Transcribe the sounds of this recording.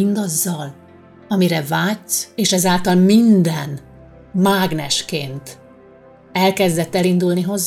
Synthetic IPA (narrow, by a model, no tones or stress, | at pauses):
ind̪ɒzːɒl | ɒmiɾɛvaːtseːʃɛzaːlt̪ɒlmind̪ɛn | maːɡnɛʃkeːnt̪ | ɛlkɛzd̪ɛt̪ːɛlind̪ulniɦo̞z